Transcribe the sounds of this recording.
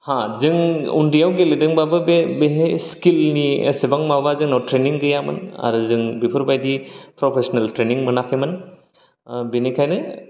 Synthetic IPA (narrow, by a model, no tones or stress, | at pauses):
hãzɯŋṵndijawɡeledɯŋbabɯbebeɦejskilnḭsebaŋmabazɯŋnawtɾeniŋɡɯjamɯ̰na̰ɾuzɯŋbipʰɯɾbajdipɾɔpʰesɔnaltɾeniŋmɯnakʰemɯn | benikʰajnɯ